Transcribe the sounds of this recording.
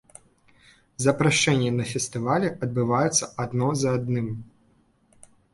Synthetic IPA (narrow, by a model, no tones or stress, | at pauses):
zɐpɾaʂt͡ʂɛnʲːɛnɐfʲɛst̪ɨvalʲɛʔɐd̪̚bɨvajɛt̪sːɐʔad̪nɔzɐːd̪nɨm